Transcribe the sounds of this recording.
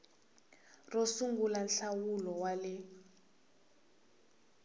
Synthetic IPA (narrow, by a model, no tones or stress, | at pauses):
rosuŋɡulanɬawulɔwalɪ